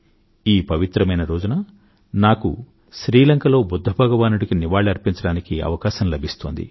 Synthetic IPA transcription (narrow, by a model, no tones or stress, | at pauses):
iːpɐʋit̪ɾɐmɐjnɐɾo̞ːd͡ʒunɐ | naːkṵ | ʃɾiːlɐŋkɐlo̞ːbud̪ʱːɐbʱɐɡɐʋaːnuɽikiniʋaːɭiɐɾpiɲt͡ʃɐɽaːnikiɐ̰ʋɐkaːʃɐmlɐbʱist̪oːnd̪ḭ